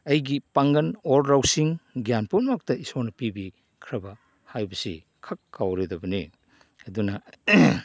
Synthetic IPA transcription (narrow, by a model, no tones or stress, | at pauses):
ɐjɡipaŋɡɐnoɾɾawsiŋɡjanpunmak̚tɐisonɐpibi | kʰɾɐbɐ | hajbɐsḭ | kʰakːawɾedɐbɐnḭ | ɐdunɐ